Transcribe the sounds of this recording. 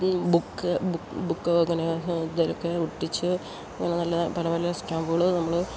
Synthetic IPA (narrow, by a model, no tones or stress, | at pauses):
bukːbubukːɐŋːɐned̪ɐlokːeuʈːit͡ɕːɨ | ɐŋːɐnenɐlːɐpɐlɐpɐlɐjɐsʈaːmbɨɣɐɭɨnɐmːɐɭɨ